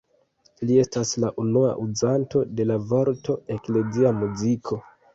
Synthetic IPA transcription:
lie̞staslaʔunua̰ʔuzanto̞de̞lavo̞ɾto̞e̞kle̞ziamuzikʰo̞

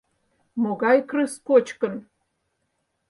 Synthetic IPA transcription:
moɣɑjkrɨskot͡ɕkə̆n

